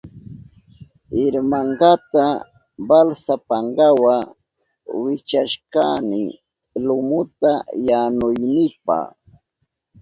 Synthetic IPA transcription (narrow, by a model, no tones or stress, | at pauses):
ɪɾmaɴɢat̪a | balsapaɴɢɑwa | wɪt͡ʃaʃkanɪ | lʊmʊt̪ajanʊjnɪpɑ̰